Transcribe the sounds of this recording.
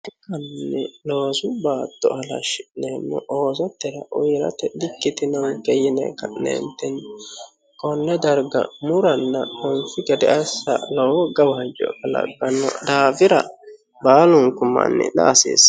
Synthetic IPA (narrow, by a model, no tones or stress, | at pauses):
ɪkɐnːɛloːsʊbaːt̪ːɔhɐlɐ̰ʃɪnemːɔ̰ʔoːsɔt̪ːɛɾɐʔʊjɾɐ̰t̪ɛdɪkːɪt̪ɪnɐnkɛjɪnɛ̰kɐʔnɛ̰nt̪ɛn | kʼɔnːɛd̪ɐɾɡɐ̰mʊɾɐnːɐhɔnfɪɡɛd̪ɛʔɐsːɐ̰lɔwɔɡɐwɐɐd͡ʒɔ̰kɐlɐ̰ɡɐnːɔ̰d̪aːvɪɾɐ | baːlʊŋkʊmːɐ̰nːɛ̰na̰ːsḛːs